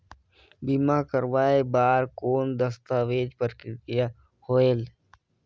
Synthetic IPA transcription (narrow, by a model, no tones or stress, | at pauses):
bimakəɾʋaːebaːɾkoːnd̪əst̪aʋeːd͡ʒpəɾkɪkɪja | hoːel